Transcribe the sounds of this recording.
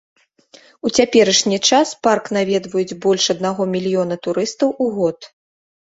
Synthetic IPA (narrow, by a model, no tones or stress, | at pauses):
ut͡sʲapʲɛɾɐʂnʲit͡ʂasparknavʲɛd̪vɐjud͡zʲbɔlʲʂɐd̪naɣɔmʲilʲjɔn̪ɐt̪uɾɨst̪ɐwʔuɣɔt̪